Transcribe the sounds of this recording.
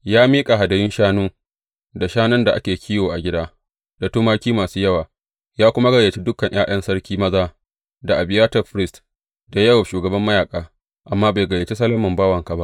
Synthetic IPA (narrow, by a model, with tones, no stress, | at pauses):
jaː˦miː˦kʼa˨ɦa˨dɐ˨jɪ˦nʃaː˦noː˦ | da˨ʃaː˦nɐ˦nda˨ʔa˦kʲeː˨kʲʰiː˦joː˨ʔa˨ɡʲɪ˦daː˦ | da˨tuː˦maː˦kʲiː˦maː˨suː˦jɐ˦waː˨ | jaː˦kʷʊ˦ma˦ɡɐ˦jeː˨t͡ʃe˦dʊ˦kɐ˨ɲj̰aː˦j̰ɐ˦nsɐ˦ɽkʲiː˦mɐ˦zaː˦ | da˨ʔa˨bɪ˨jaː˦tɐ˨ɸɾɪ˦st | da˨jɐ˦wɐ˨ʃuː˨ɡɐ˨bɐ˦mːɐ˦jaː˨kʼaː˦ | ʔa˨mːaː˦be˨ɡɐ˨jeː˨t͡ʃe˦sɐ˦lɐ˦mʊ˨mbaː˦wɐ˨ŋka˨ba̰˦ʔ